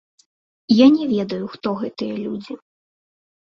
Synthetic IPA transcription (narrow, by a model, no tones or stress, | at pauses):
janʲɛvʲɛd̪ɐjuxt̪ɔɣɛt̪ɨjɐlʲud͡zʲi